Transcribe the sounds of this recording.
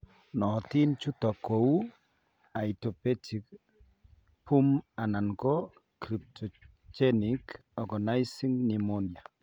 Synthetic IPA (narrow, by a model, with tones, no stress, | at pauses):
nɔ˨ti˦nt͡ʃu˦tɔ˨ko˨u˦ | a˨i˨tɔ˨pe˦ti˨k | pu˦ma˨na˨nkɔ˦ | kɾi˨p̚tʰɔ˨ | t͡ʃɛ˦nik | ɔ˨ɡa˨na˦jsi˦ŋni˨mo˦nja˨